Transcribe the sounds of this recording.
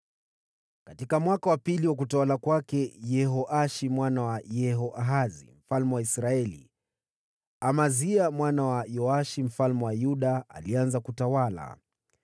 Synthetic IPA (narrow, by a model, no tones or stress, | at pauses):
katikamwakawapiliwak̬utawalakwakɛjɛɦɔʔaʃimwanawajɛɦɔʔaɦazḭm̩falmɛwaisɾaɛlḭ | amaziamwanawajɔaʃim̩falmɛwajuɗaa̰lianzakutawala̰